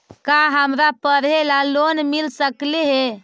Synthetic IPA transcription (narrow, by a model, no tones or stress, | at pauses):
kaɦəmɾapəɾɦelalonmilsəkleɦe